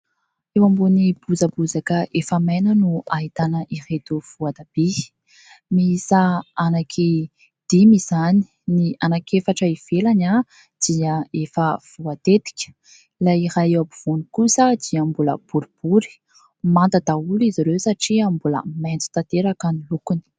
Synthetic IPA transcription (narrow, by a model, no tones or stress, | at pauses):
ewambonib̥uzabuzakəefəmajnənuaɦit̪anəʔiret̪uv̥uad̪ab̥i | miisaanakʰi | d̪̥imiz̥ani̥ | nianakefaʈ͡ʂaiv̥elana | d̪̥iəefəv̥uat̪et̪i̥kʲə̥ | laiɾajewabuv̥onikusəd̪̥iambulə̰b̥uɾib̥uɾi̥ | mant̪ad̪auliziɾewsaʈ͡ʂiambulə̰mɛnt͡su̥t̪at̪eɾakanilukuni̥